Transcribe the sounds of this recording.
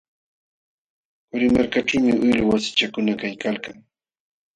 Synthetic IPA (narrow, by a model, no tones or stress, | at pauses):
ʊɾɪmaɾkat͡ʃʊmɪʔʊjlʊwasɪ̥t͡ʃakʊnakajkalkaŋ